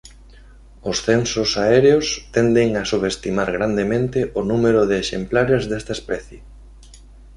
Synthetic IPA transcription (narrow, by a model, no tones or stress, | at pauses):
ʊsθensʊsaɛɾeost̪ɛnd̪eŋasuβest̪imaɾɣɾand̪emẽnt̪ɪʔʊnumeɾʊðɪːʃemplaɾezðest̪aespɛθje